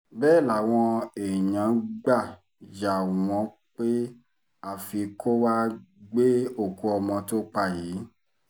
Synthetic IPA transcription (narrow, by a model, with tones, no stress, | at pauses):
bɛː˦˨la˨w̃ɔ̃˧e˨ɲã˨˦ɡ͡ba˦˨ | ja˨w̃ɔ̃˧˦ | k͡pe˦ | a˦˨fi˧ko˦wa˦ɡ͡be˦o˦˨ko˧ɔ˧mɔ̃˧to˦k͡pa˧˦˨jiː˨˦